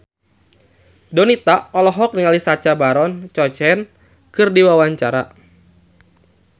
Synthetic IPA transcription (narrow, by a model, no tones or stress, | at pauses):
dɔnit̪aɔlɔɦɔk̚niŋalisat͡ʃabaɾɔnt͡ʃɔt͡ʃɛn | kɨrdiwawaɲt͡ʃaɾa